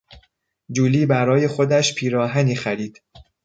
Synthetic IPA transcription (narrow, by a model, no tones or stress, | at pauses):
d͡ʒuːliːbæɾɒːje̞xo̞d̪æʃpʰiːɾɒːɦæniːxæɾiːd̪̥